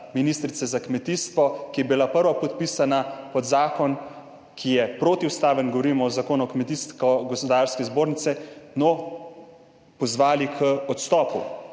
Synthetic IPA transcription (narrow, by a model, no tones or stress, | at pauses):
miniːst̪ɾit̪sɛzakmɛt̪iːst̪ʋɔkijɛbilapəɾʋapɔt̪piːsanapɔd̪zaːkɔn | kʰijɛpɾoːt̪iust̪aːʋənɡoʋɔɾiːmɔzakoːnɔkmɛt̪iːst̪kɔɡɔspɔd̪aɾskɛzboːɾnit̪sɛnɔ | pɔzʋaːlikʰəɔt̪st̪ɔːpṵ